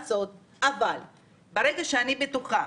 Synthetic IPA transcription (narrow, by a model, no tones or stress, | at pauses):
t͡so̞t̪̚ | aval | beɾeɡaʃeanibet̪uχa